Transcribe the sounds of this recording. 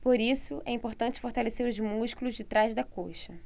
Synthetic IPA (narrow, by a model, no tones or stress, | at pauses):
poɾisʊʔɛĩpoɾt̪ɐ̃nt͡ʃɪ̥foɾt̪aleseɾʊzmuʃkulʊzd͡ʒɪt̪ɾazd̪ɐkoʃɐ